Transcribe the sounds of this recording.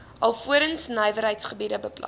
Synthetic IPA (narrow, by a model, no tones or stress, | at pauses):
ʔɐlˠfuəɾənsnəjvəɾɦəjtsχəbidəbəplɐ̰